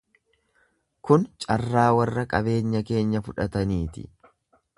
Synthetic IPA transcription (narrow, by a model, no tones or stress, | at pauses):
kʊnt͡ʃʼɐrːaːwɐrːɐkʼɐβe̞ːɲːɐke̞ːɲːɐfʊᶑɐt̪ɐniːt̪ɪ̰